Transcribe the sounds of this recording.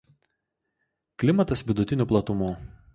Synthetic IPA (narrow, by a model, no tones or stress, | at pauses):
klʲɪmɐt̪ɐsʋʲɪd̪ʊt̪ʲɪnʲuːˑplˠɐt̪ʊmuː